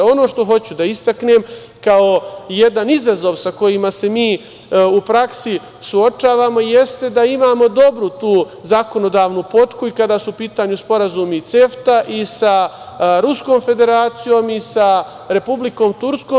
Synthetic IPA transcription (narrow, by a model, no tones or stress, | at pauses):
o̞no̞ːʃt̪o̞ɦo̞t͡ɕud̪aist̪akneːm | kaoje̞d̪anizazo̞ʋsako̞jimase̞miː | upɾaksi | suo̞t͡ʃaːʋaːmo̞ijest̪e̞d̪aimaːmo̞d̪o̞bɾut̪uː | zako̞no̞d̪aːʋnupo̞t̪kuikad̪aːsuupiːt̪aːɲuspo̞ɾazuːmit̪se̞ft̪aʔisa | ɾusko̞ːmfe̞d̪e̞ɾaːt̪sijo̞ːmisa | ɾe̞publiko̞ːmt̪uɾskoː